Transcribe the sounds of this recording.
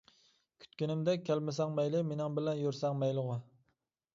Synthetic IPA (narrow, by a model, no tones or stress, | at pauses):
kʲʰy̥t̪̚kʲynɪmd̪ɛk̚ʲʰːɛlmɪsɛŋmɛjlɪmenɪŋbɪlɛnjoɾsɛŋmɛjlʊʁɑ